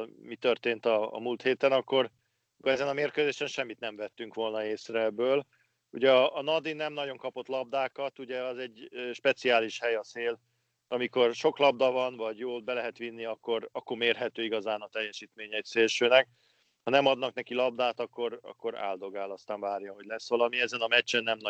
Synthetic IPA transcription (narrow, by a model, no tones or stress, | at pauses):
lmit̪ørt̪eːnt̪ɒ̰ːmult̪heːt̪ɛnɒkːo̞r | kɛzɛnɒmeːrkøːzeːʃɛnʃɛmːit̪nɛɱvɛt̪ːyŋkʋo̞lnɒeːsrɛɛbːøːl | uɟɛɒʔːnɒd̪inɛmnɒɟo̞ŋkɒpo̞t̪lɒb̚d̪aːkɒt̪uɟɛɒzɛɟʃpɛt̪siaːliʃhɛjɒseːl | ɒmiko̞rʃo̞klɒb̚d̪ɒvɒnvɒɟjoːlbɛlɛɦɛt̪ʋinːiɒkːo̞ɾɒkːo̞rmeːrɦɛt̪øːiɡɒzaːnɒt̪ɛjːɛʃiːt̪meːɲɛjit̪seːlʃøːnɛk̚ | hɒnɛmɒd̪nɒknɛkilɒb̚d̪aːt̪ɒkːo̞ɾɒ̰kːo̞ɾa̰ːld̪o̞ɡaːlɒst̪aːɱvaːrjɒɦo̞ɟʲlɛsʋɒlɒmiɛzɛnɒmɛt͡ʃːɛnːɛmn